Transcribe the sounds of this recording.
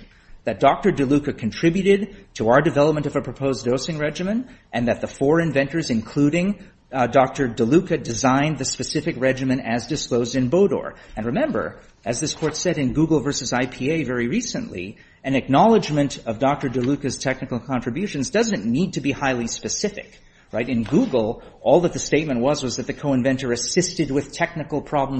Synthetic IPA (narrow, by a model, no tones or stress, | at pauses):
ðɨt̚d̥ɔk̚tə˞dɨlʉkɨkʰɨ̃ntʰɹ̥ɪbjʉɾɪd̚tʰəaʊə˞dɨvɛlˠəp̚mɨ̃ñʌvɨpʰɹ̥əpʰoʊzdoʊsɪ̃ŋɹɛd͡ʒɨmɨ̃ntʔɨ̃nðɨt̪̚ðəfɔɹɨ̃ɱvɛ̃ntə˞zɨ̃nkʰl̥uɾɪ̃ŋ | dɔk̚tə˞dɨlʉkɨdɨzãɪ̃nðɨspɨsɪfɨkɹɛd͡ʒɨmɨ̃ñtɨzdɨskloʊzdɨ̃nboʊɾɔ̰ɹɨ̃nɹɨmɛ̃mbə̰˞ | ɨzðɪskʰɔɹtsɛɾɨ̃nɡuɡl̩ˠvɜ˞sɨzaɪpʰieɪvɛɹiɹisɨ̰̃nʔlḭ | ɨ̃nɨk̚nɑlˠəd͡ʒmɨ̃ntʌvdɑk̚tə˞dɨlʉkɨz̥tʰɛk̚nɨkl̩ˠkʰɑ̃ntɹ̥ɨbjʉʃɨ̃n̩zdʌzɨ̃nnid̚tʰɨbihaɪlˠispɨsɪfɨ̰k | ɹaɪɾɨ̃nɡuɡl̩ˠɔlˠðət̪̚ðɨsteɪt̚mɨ̃nʔwʌzwʌzðɨt̪̚ðɨkʰoʊə̃nvɛ̃ntə˞ɨsɪstɨd̚wɨð̥tʰɛk̚nɨkl̩ˠpʰɹ̥ɑbl̃m